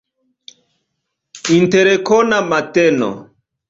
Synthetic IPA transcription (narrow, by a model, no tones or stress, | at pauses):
inteɾekɔnamatɛnɔ̰